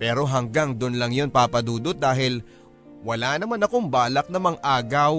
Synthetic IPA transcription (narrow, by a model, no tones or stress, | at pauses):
pɛːɾo̞ɦɐŋɡaŋd̪ʊnlɐŋjo̞npapɐd̪uːd̪ot̪̚d̪aːɦɪl | wɐlanɐmanɐkoŋbaːlɐk̚nɐmɐŋʔaːɡɐw